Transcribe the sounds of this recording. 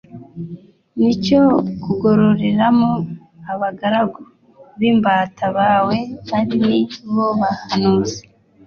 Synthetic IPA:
nicokuɡoɾoɾeɾamo | aβaɡaɾaɡo | βimbatʰaβaːwe̞βaɾiniβoβahanuːzi̥

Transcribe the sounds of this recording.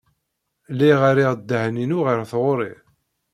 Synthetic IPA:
lːiʁaɾiʁd̪ːəhninuʁiɾθʁoɾˤi

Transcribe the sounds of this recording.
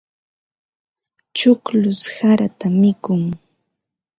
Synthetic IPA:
t͡ʃʊklʊshaɾat̪amɪkʊŋ

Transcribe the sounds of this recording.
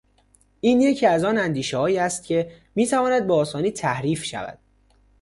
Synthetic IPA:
ʔiːnje̞cʰiːæzɒːnænd̪iːʃehɒːiːæst̪̚cʰe̞ | miːt̪ʰævɒːnæd̪̚beɒːsɒːniːt̪ʰæhɾiːfʃæ̰væ̰d̪̥

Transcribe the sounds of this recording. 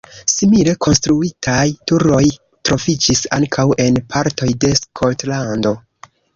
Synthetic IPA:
simile̞kʰo̞nstɾuitʰajtuɾo̞j | tɾo̞fid͡ʒisa̰ŋkʰawe̞npʰaɾto̞jde̞skʰo̞ltlando̞

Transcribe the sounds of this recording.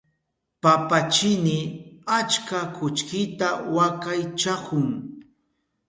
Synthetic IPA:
papat͡ʃɪnɪat͡ʃkakʊt͡ʃkɪt̪awakajt͡ʃakʊŋ

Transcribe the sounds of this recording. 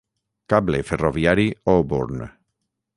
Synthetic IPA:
kableferovjaɾiobuɾn

